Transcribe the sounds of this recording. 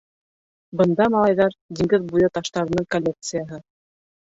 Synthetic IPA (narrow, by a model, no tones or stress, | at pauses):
bɤ̆nd̪ɑmɑlˠɑjðɑɾd̪ʲiŋɡɘðbujɤt̪ɑʃt̪ɑɾɤ̆nɤɴkolʲːek̚t̪sɨjaɦɤ